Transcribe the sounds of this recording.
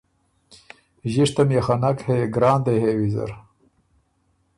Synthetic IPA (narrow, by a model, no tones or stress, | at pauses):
ʑiʂt̪ɐmjaxanakheɡɾaːnd̪eɦeːwizɐ̰ɾ